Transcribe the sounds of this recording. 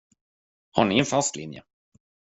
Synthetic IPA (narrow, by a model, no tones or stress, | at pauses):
haɳɪɛnfast̪lɪ̰njə̰